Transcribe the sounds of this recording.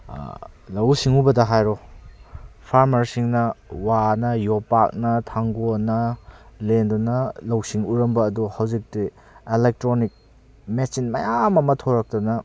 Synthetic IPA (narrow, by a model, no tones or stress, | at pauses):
lɐwsiŋubɐdɐɦajɾɔ | pʰaɾmɐɾsiŋnɐwanɐjopak̚nɐtʰaŋɡonɐlendunɐlɐwsiŋuɾɐmbɐːduhawzik̚ti | elek̚tɾonik̚ | mesinmɐjamɐmɐtʰoɾɐk̚tɔnɐ